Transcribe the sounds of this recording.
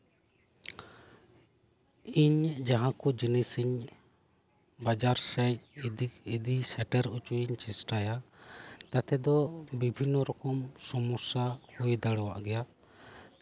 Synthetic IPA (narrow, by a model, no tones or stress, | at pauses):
iɲd͡ʒaɦãkud͡ʒinisiɲ | bad͡ʒaɾsɛiid̪isɛʈɛɾut͡ʃuiɲt͡ʃisʈajat̪at̪ʰɛd̪ɔbibʱinːɔɾɔkɔmsɔmusahujd̪aɽɔwaʔɡɛja